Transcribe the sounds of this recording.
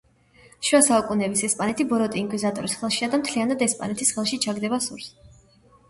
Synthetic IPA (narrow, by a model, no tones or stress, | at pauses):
ʃwasaukʼunɛbisɛspʼanɛt̪ʰibɔɾɔt̪ʼiːŋkʼwizat̪ʼɔɾisχɛlˠʃiad̪amt̪ʰlianad̪ɛspʼa̰nɛt̪ʰisχɛlˠʃit͡ʃʰaɡd̪ɛbasṵɾs